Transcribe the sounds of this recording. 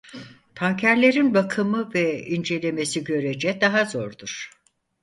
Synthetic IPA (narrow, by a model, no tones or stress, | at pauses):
t̪ʰaŋcʰæɾlʲe̞ɾinbakʰɯmɯvɛind͡ʒe̞lʲe̞me̞siɟø̞ɾed͡ʒɛd̪aɦazoɾd̪uɾ̥